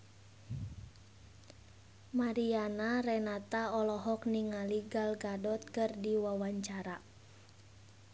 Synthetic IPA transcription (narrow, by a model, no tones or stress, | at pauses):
maɾianaɾɛnat̪aɔlɔɦɔkniŋaliɡalɡadɔt̪̚kɨrdiwawaɲt͡ʃaɾa